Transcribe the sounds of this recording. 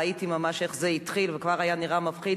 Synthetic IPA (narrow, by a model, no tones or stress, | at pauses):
it̪imamaʃeχzeit̪χilvekvaʁajaniʁamafχid